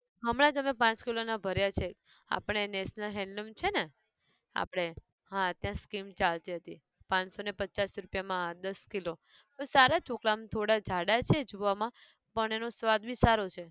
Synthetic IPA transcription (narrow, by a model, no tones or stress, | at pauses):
ɦəmɽãd͡ʒəmepãt͡ʃkilonabʱəɾjat͡ʃʰe | a̰pəɽ̃eneʃnəlɦɛ̃ɳɖɖəmt͡ʃʰene | a̰pəɽ̃e | ɦãt̪jãskimt͡ʃalt̪iɦət̪i | pãt͡ʃsonepəːt͡ʃasɾupjamãɦãd̪əskilo | pəɳsaɾat͡ʃoklamt̪ʰoɽad͡ʒʱaɽat͡ʃʰed͡ʒuʋamã | pəɳenosʋad̪bisaɾot͡ʃʰe